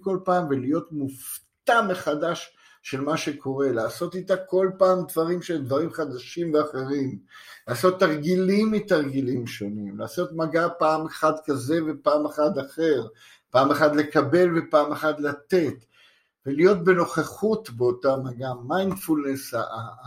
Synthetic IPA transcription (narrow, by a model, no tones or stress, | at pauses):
ko̞lpaːmvelijo̞t̪muft̪ameχadaʃ | ʃe̞lmaʃe̞kʰo̞ʁe̞laːso̞t̪it̪ako̞lpaːmd̪vaʁimʃed̪vaʁimχad̪aʃimveaχe̞ʁimlaːso̞t̪ːaʁɡilimitaʁɡilimʃo̞nimla̰ːso̞t̪maɡapaːmeχad̪kaze̞vepaːmeχad̪aχe̞ʁ | paːmeχad̪le̞kabe̞lve̞paːmeχad̪lat̪e̞t̪ | velijo̞t̪̚be̞no̞χeχut̪beo̞tamaɡamajnfulnesa̰a